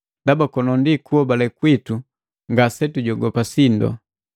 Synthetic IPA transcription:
dabakɔnɔndikuɔbalɛkwitu | ŋɡasɛtuɟɔɡɔpasindɔ̰

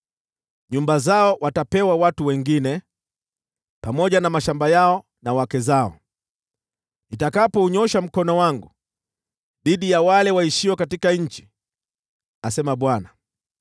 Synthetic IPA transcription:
ɲumbazaɔwatapɛwawatuwɛŋɡinɛ | pamɔʄanamaʃambajaɔ | nawakɛzaɔ̰ | itakapɔuɲɔʃam̩kɔnɔwaŋɡu | ɗiɗijawalɛwaiʃiwɛkatikaɲ̩t͡ʃi̥ | asɛmaɓwana

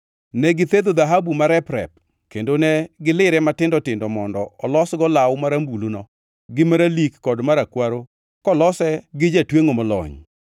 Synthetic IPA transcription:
nɛɡɪt̪ed̪od̪aɦabumaɾɛpɾɛ̰p̚ | kendonɛɡɪlɪɾɛmatɪndɔtɪndɔmɔndɔɔlɔsɡɔlawmaɾambulonɔ | ɡɪmaɾalikːɔdmaɾakwaɾo | kɔlɔsɛɡɪd͡ʒatweŋomɔlɔ̰ɲ

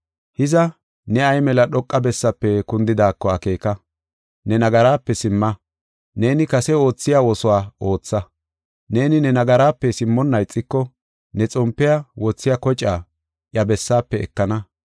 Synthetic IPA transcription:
hɪzɐ | nɛɐjmɛlɐɗɔkʼːɐbɛsːɐpːɛkʊnd̪ɪd̪aːkːɔɐke̞ːkɐ | nɛnɐɡɐɾaːpːɛsɪmːɐ | ne̞ːnɪkɐsɛo̞ːt͡sːɪjaːwɔsɔwaːo̞ːt͡sːɐ | ne̞ːnɪnɛnɐɡɐɾaːpːɛsɪmːɔnːɐjt͡sʼːɪkːɔ | nɛt͡sʼɔmpːɪjɐwɔt͡sːɪjɐkɔt͡ʃʼːaː | ʔjɐbɛsːaːpːɛɛ̰kːɐnɐ

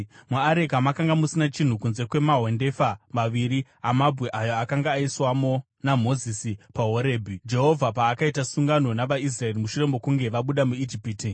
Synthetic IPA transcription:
muaɾekamakaŋɡamusinat͡ʃin̤ukunze̞kwe̞maɦo̞nde̞famaʋiɾi | amabʱɣe̞ʔajoakaŋɡaːiswamo̞ | namo̞zisipaɦo̞ɾe̞ːbʱid͡ʒe̞ɦo̞vʱapaːkaitasuŋɡano̞naʋais̬rae̞rimuʃure̞mbo̞kuŋɡe̞ʋaɓuɗamuid͡ʒipiːti

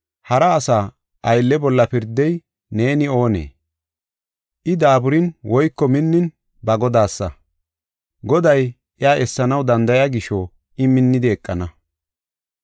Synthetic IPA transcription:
hɐɾɐːsaː | ʔɐjlːɛbɔlːɐpɪɾd̪ːɛj | ne̞ːnɪo̞ːnḛː | ʔɪd̪aːbʊɾɪnwɔjkːɔmɪnːɪn | bɐɡɔd̪aːsːɐ | ɡɔd̪ɐj | ʔɪaːʔɛsːɐnɐwd̪ɐnd̪ɐjaːɡɪʃɔ | ɪmɪnːɪd̪ɪːkʼːɐnɐ

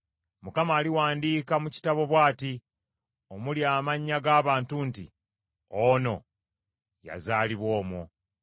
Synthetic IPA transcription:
mukamaːliwaːndiːkamuci̥taβo̞βwaːti | omuljaːmaɲːaɡaːβaːntuntḭ | ono̞ | ja̰zaːliβwo̞ːmo̰

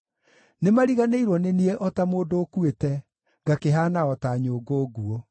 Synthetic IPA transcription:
nemaɾiɣaneiɾwɔnenieʔɔtamoːdoːkuetɛ | ɡakeɦaːnaɔtaɲoːɡoːɡuo

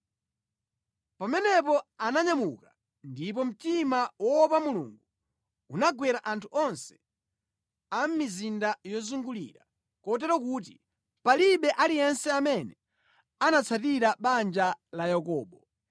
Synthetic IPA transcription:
pamɛnɛpɔanaɲamuka | ndip̬ɔm̩timawɔpamulṵŋɡu | unaɡwɛɾaʔantʰuʔɔnsɛ̥ | am̩mizindajɔzuŋɡulḭɾa | kɔt̬ɛɾɔk̬uːt̬i | paliɓɛʔalijɛnsɛamɛnɛ | anat͡sʰat̬iɾaɓand͡ʒalajakɔːɓɔ

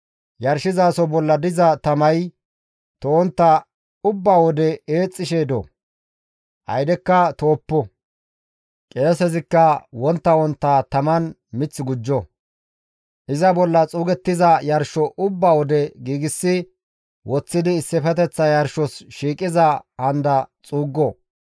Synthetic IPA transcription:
jɐɾʃɪzaːsɔbɔlːɐd̪ɪzɐt̪ɐmɐj | t̪ɔwɔnt̪ːɐ | ʊbːaːwɔd̪ɛeːt͡sʼːɪʃeːd̪ɔ̰ | ʔɐ̰jd̪ɛkːɐt̪oːpːɔ | kʼe̞ːsɛzɪkːɐwɔnt̪ːɐwɔnt̪ːat̪ɐmɐn | mɪt͡sːɪɡʊd͡ʒːɔ | ʔɪzɐbɔlːɐt͡sʼuːɡɛt̪ːɪzɐjɐɾʃɔʔʊbːaːwɔd̪ɛɡiːɡɪsːɪ | wɔt͡sːɪd̪ɪːsːɪfɛt̪ɛt͡sːɐjɐɾʃɔsʃiːkʼɪzɐhɐnd̪ɐt͡sʼuːɡːɔ

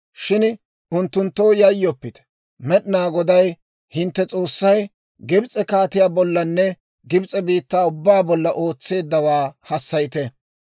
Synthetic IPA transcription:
ʃɪn | ʔʊnt̪ːʊnt̪ːoːjɐjːɔpːɪt̪ɛ̥ | mɛɗɪnaːɡɔd̪ɐj | hɪnt̪ːɛt͡sʼo̞ːsːɐj | ɡɪbt͡sʼɛkaːt̪ɪjaːbɔlːɐnːɛ | ɡɪbt͡sʼɛbiːt̪ːaːʊbːaːbɔlːɐʔo̞ːt͡sːe̞ːd̪ːɐwaːhɐsːɐjɪt̪ɛ

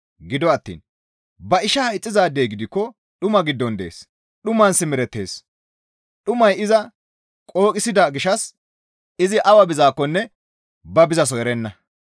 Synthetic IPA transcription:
ɡɪd̪ɔɐt̪ːḭːn | bɐɪʃɐhɐjt͡sʼːɪzaːd̪eːjɡɪd̪ɪkːɔ | ɗʊmɐɡɪd̪ːɔnd̪ḛːs | ɗʊmɐnsɪmɛɾɛt̪ːe̞̰ːs | ɗʊmɐjɪzɐ | kʼo̞ːkʼɪsɪd̪ɐɡɪʃɐs | ɪzɪʔɐwɐbɪzaːkːɔnːɛ | bɐbɪzɐs̬ɔjɛɾɛnːɐ

